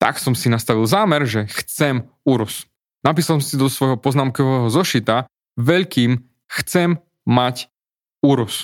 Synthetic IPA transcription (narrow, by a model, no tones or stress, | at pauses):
t̪a̰ksɔmsinast̪aʋilˠzaːmɛɾʒɛxt͡sɛm | uɾus | nap̬iːsalsɔmsid̪ɔsʋɔjɦɔpɔznaːmkɔʋɛːɦɔzɔʃit̪a | ʋɛʎkiːm | xt͡sɛmː | ac | uɾus